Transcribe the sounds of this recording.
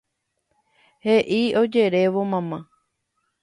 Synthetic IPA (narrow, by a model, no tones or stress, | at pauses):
heʔio̞d͡ʒe̞ɾe̞ʋomãmã